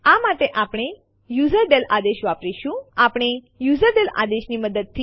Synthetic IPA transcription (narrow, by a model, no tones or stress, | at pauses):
amaʈeʔapɽ̃e | juzəɾɖelad̪eɕʋapɾiɕũapɽ̃e | juzəɾɖela̰d̪eɕniməd̪əd̪̚t̪ʰːi